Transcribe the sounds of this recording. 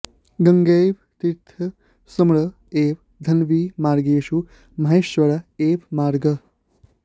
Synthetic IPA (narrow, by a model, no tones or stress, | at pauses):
ɡɐŋɡeːʋ | t̪iɾt̪ʰɐ | sɐmɭɐ | eːʋ | d̪ʱɐnʋiːmaːɾɡeːʃu | mɐɦeʃʋɐɾaeːʋmaːɾɡɐ